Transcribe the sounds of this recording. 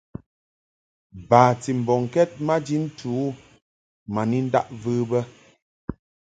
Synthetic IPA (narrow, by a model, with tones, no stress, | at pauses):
baː˨ti˨m̩˨bɔ˨ŋ˨kɛ˦t̚ma˦d͡ʒi˦n̩˦tʰu˨˦ | ma˨ni˦n̩˦da̰˦ʔvɨː˦bə˦